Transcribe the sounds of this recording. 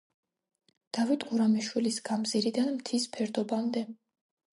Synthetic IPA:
d̪̥avit̪ʼqʼuɾamiʃwilisɡamziɾid̪anmt̪ʰispʰɛɾd̪ɔbamd̪ɛ

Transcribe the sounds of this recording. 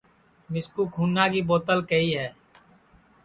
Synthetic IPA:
mɪskuːkʰuːnːaːkiːboːt̪əlkəiːɦɛː

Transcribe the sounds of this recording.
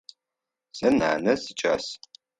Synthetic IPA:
sɐna̰ːnɐsɨt͡ʃʼa̰ːs

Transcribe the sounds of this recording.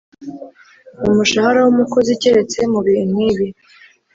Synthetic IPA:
umuʃahaɾawumuko̞ziceɾe̞t͡se̞muβiin̥wiβi

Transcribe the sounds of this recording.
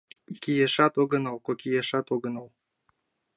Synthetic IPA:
ikijeʃɑt̪oɣənɑlkokijeʃɑt̪oɣə̆nɑlˠ

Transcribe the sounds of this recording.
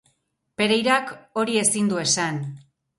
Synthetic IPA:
pe̞ɾejɾako̞ɾie̞sind̪ue̞san

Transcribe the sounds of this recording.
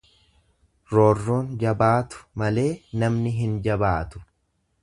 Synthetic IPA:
ɾo̞ːrːoːnd͡ʒɐbaːt̪ʊ̥mɐle̞ːnɐmnɪɦɪnd͡ʒɐbaːt̪ʊ̥

